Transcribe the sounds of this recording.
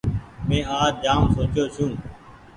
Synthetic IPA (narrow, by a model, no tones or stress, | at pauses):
mẽːaːd͡ʒd͡ʒaːmsoːt͡ʃoːsũː